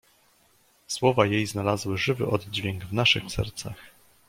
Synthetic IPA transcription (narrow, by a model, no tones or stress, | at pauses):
swɔvajejznalazwɘʐɘvɘ̰ʔɔd̪̚d͡ʑvʲjɛŋɡvnaʂɘxsɛ̰ɾt̪sax